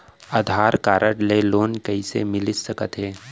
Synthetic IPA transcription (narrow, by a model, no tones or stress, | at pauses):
ad̪ʱaːɾkaːɾəʈleloːnkɐisemɪlɪsəkət̪ɦeː